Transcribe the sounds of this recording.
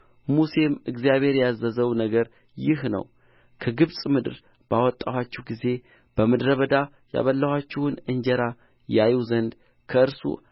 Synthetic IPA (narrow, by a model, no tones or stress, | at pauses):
muse̞mɨɡzijaβe̞ɾjazːəzəwnəɡəɾ | jɪhnə̰w | kʰəɡɨβsʼmɨd̪ɨɾ | bawɔt̪ʼːawat͡ʃːɛhɡize̞ | b̥əmɨd̪ɾəβəd̪a | ja̰βəlːəhat͡ʃːɛhʊnɨnd͡ʒəɾa | jajwzənd̪ | kʰəɨɾsṵ